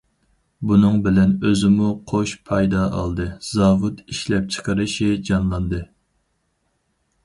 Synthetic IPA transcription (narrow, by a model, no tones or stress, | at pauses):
bunɨŋbɪlɛnøzɪmuqʰoʃpʰɑjd̪ɑɑ̰lˠd̪ɨz̥ɑvut̪iʃlɛp̚t͡ʃʰə̥qʰəɾɨʃid͡ʒɑnlˠɑnd̪ɨ